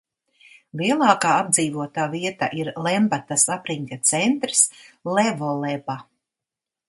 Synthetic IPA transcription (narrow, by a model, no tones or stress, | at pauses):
liɛlˠaːkaːab̚d̪ziːvuɔt̪aːviɛt̪a̰ʔiɾlɛmbat̪asapɾiŋkat̪sɛnt̪ɾslɛvɔlˠɛba